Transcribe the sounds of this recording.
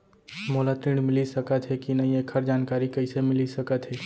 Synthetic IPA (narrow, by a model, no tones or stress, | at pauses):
moːlat̪ɾiɳɖmɪlisəkət̪ɦɛkinəĩeːkʰəɾd͡ʒaːnkaːɾikəɪsemɪlisəkət̪ɦɛ